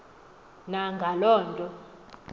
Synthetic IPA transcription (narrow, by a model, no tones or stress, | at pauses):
naŋɡʱalɔːntʼɔ